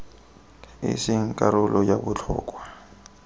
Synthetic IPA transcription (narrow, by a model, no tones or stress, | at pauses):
ɪ̰sɪŋ̩kʼaɾʊlɔjabʊt͡ɬʰʊ̰ːkʼwa